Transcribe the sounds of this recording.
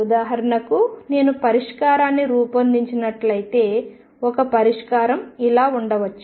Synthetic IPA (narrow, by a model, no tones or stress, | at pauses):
ud̪aːɦɐɾɐɳɐkune̞ːnupɐɾiʂkaːɾaːnːiɾuːpɐnd̪iɲt͡ʃinɐʈlɐjit̪e̞ː | ɔkɐpɐɾiʂkaːɾɐmilaːuɳɖɐʋɐt͡ʃː